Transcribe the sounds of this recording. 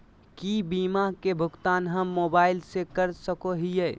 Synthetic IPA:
kibiːmakebʱʊkt̪aːnɦəmːoːbaːɪlsekəɾsəkoɦije

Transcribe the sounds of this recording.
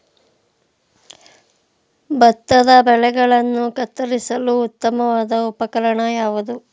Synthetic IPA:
bɐt̪ːɐd̪ɐbɛɭɛɡɐɭɐnːukɐt̪ːɐɾisɐluːt̪ːɐmɐʋaːd̪ɐupɐkɐɾɐɳɐjaːʋud̪u

